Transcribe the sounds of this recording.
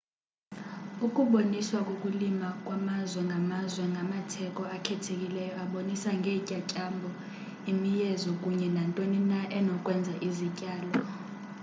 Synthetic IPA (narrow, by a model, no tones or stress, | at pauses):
ukʼuɓoniswakʼokʼulimakʼwamazwɛŋʱamazwɛŋɡʱamatʰɛkʼɔakʰɛtʰek̬ʼilɛjɔaɓonisaŋɡʱecʼacʼambʱɔ | imijɛzɔkʼuɲɛnantʼoninaʔɛnɔkʼwɛnd͡zʱaʔizicʼaːlɔ